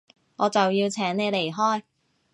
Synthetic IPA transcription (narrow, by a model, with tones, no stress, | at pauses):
ŋɔː˨˧t͡sɐ˨wjiː˧wt͡sʰɛː˨˥ŋne˨˧le˨˩jɦɔː˥j